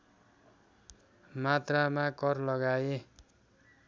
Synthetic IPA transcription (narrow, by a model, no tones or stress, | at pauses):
mat̪ramakʌrlʌɡaje